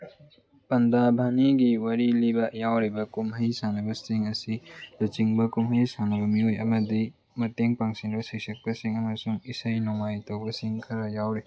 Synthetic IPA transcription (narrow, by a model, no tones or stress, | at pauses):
pɐndabʱaniɡiwɐɾilibɐjawɾibɐkumɦɐjsanɐbɐsiŋɐsilut͡ʃiŋbɐkumɦɐjsanɐbɐmiojɐmɐdi | mɐteŋpaŋsinbɐsik̚sɐk̚pɐsiŋɐmɐsuŋisɐjnɔŋajtɐwbɐsiŋkʰɐɾɐjawɾi